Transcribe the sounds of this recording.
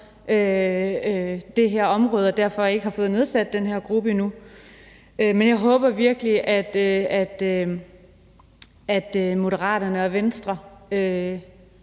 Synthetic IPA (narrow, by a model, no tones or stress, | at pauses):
ʔø | d̥e̝ɦæɐ̰ɒ̽mʁɔ̽ːð̞ˠɒd̥æɐ̰fɒ̽e̝ɡ̥əhɑ̈fɔ̽ːð̞̩ˠne̝ð̞ˠsæd̥̚ːenɦæɐ̰ɡ̥ʁub̥ənu | ømenjɑ̈ɪɦɔ̽ːb̥ɐʋiɐɡ̥əliʔæd̥øæd̥ø | æd̥mo̝ɾəʁɑ̰̈ːdɐnəɒʋensd̥ʁɐø